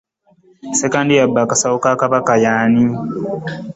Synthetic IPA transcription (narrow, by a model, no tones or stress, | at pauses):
sekaːndijabːakasawokakaβakajaːni